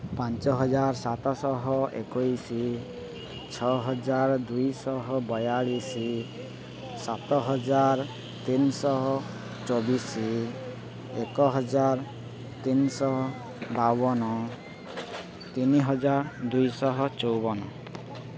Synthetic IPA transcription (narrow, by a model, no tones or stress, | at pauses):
pant͡ʃɔɦɔd͡ʒaɾsat̪ɔsɔɦɔʔḛkojsi | t͡ʃʰɔɦɔd͡ʒaɾd̪ujsɔɦɔbɔjaɭisi | sat̪ɔɦɔd͡ʒaɾ | t̪insɔɦ | t͡ʃobisi | ekɔɦɔd͡ʒaɾ | t̪insɔ | babɔnɔ | t̪iniɦɔd͡ʒaɾd̪ujsɔɦɔt͡ʃowbɔnɔ